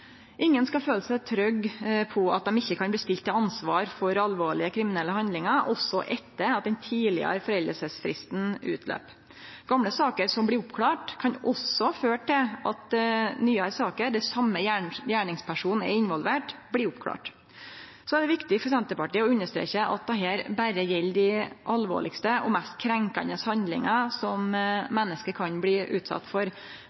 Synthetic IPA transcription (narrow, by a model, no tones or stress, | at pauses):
ʔɪŋːənskɑføːləsɛt̪ʰɾœɡpʰɔɑt̪̚d̪ɛmɪçːəkʰɑnb̪ɪst̪ɪlt̪ːɪlɑnsʋɑːɾfɔɾɑlʋoːɭɪəkʰɾɪmɪnɛlːəhɑnd̪lɪŋɑʔɔsɔʔɛt̪ːəɾɑt̪̚d̪ɛnt̪ʰiːlɪ̰ə̰ɾfɔɾɛld̪əsəsfɾɪ̰st̪nʉ̰ːt̪ʰlø̰ːp | ɡ̥ɑmɽəsɑːkəɾsɔmblɪʊpkʰlɑːʈkʰɑnɔsɔhɑføːʈʰːɪlʔɑt̪nyːɑɾsɑːkəɾd̪ɛɪsɑmːəæjæːɳɪŋspʰæʂuːnn̩ɛ̰ɾɪnʋɔlʋeːʈblɪʊpkʰlɑ̰ːʈ | sɔɛɖɛʋɪkt̪ɪfɔsd̪ɛnt̪əpɑʈiːəɔʉnːəʂt̪ɾḛːçəʔɑ̰t̪̚d̪ɑɦeːɾbæɾəjɛlːd̪ɪʔɑlʋo̰ːɭɪkst̪əʔɔ̰mɛst̪kʰɾɛŋkɑ̰nd̪əshɑnd̪lɪ̰ŋɑsɔmmɛnːəskəɾkʰɑnbliːʔʉ̰ːt̪sɑ̰t̪ːfɔɾ